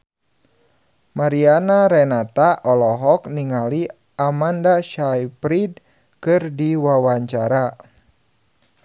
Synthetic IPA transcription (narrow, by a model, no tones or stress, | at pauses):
maɾianaɾɛnat̪aʔɔlɔɦɔkniŋali | ʔamandaʃajpɾid | kɨrdiwawaɲt͡ʃaɾa